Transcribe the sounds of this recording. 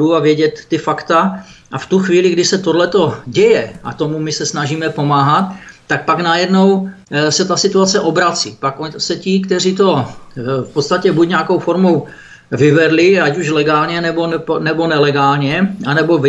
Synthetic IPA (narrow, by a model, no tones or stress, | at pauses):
uavjɛɟɛt̪ːɪfakt̪aʔaft̪uxviːlɪɡdɪsɛt̪odlɛt̪o̞ɟɛjɛa̰t̪omumɪsɛsnaʒiːmɛpo̞maːɦat̪ːak̚paɡnajɛdnowsɛt̪asɪt̪uat͡sɛʔobɾat͡siːpakosɛcɪkt̪ɛr̝iːt̪o̞fpot̪st̪acɛbucɲɛakowfoɾmo̞w | vɪvɛdlɪacuʃlɛɡaːlɲɛnɛbonɛnɛbo̞nɛlɛɡaːlɲɛʔanɛbov